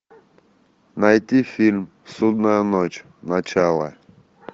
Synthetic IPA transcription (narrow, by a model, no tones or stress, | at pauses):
nɐjt̪ʲifʲilʲm | sud̪nəjənot͡ɕ | nɐt͡ɕalˠə̰